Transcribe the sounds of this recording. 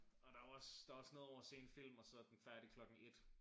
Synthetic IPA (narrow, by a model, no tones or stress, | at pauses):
ɒ̽d̥ɑ̈ɒsd̥ɑ̈ɒsno̝ːð̩ˠɒ̰ʊɐːse̝̰ːenfil̰mɒ̽sɒ̽d̥en̩fæɐd̥ikʰlɒ̽ɡ̥ŋ̩e̝d̥